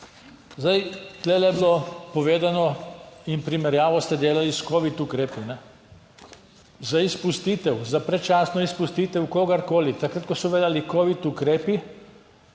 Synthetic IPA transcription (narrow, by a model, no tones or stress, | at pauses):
zd̪ajt̪lɛlɛbilopoʋeːd̪anɔimpɾimɛɾjaːʋɔst̪ɛd̪eːlaliskoʋit̪ukɾeːpinɛ | zaispust̪iːt̪ɛwzapɾɛt͡ʃaːsnɔispust̪iːt̪ɛwkoːɡaɾkoːlit̪akɾat̪̚kosɔʋeːd̪alikoʋit̪ukɾeːpi